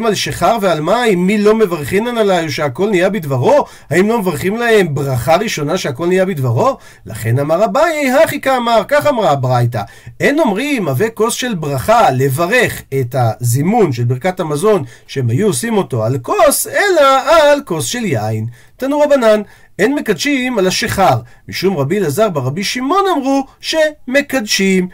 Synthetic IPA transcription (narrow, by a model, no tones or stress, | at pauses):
malʃeχaʁvealmajmilo̞me̞vaʁχimanalajoʃeako̞lnijabid̪vaʁo̞ | haimlo̞mevaʁχimlae̞mbʁaχaʁiʃo̞naʃeako̞lnijabidvaʁo̞ | la̰χe̞namaʁabajejɦaχikaːmaʁkaχamʁabʁajta̰ | e̞no̞mʁimaveko̞sʃe̞lbʁaχale̞vaʁe̞χethazimunʃelbiʁkathamazo̞nʃeemhajuosimo̞to̞alkose̞laːlko̞sʃe̞ljain | tanuʁabanan | enme̞kadʃimalaʃeχaʁ | miʃumʁabilazaʁbeʁabiʃimo̞namʁuʃe̞me̞kadʃim